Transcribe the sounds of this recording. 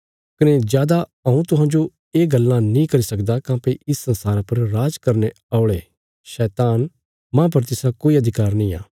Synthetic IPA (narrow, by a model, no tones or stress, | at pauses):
kɐned͡ʒjaːd̪aɐũt̪ʊɦãːd͡ʒo | eːɡɐlːãnĩkɐɾisɐkd̪akãːpeʔɪsːɐ̃nsaːɾãpɐɾɾaːd͡ʒkɐɾne | aoɭeː | ʃɛːt̪aːn | mãːp̬ɐɾt̪ɪsakoːiɐd̪ʱɪkaːɾnĩːa̰ː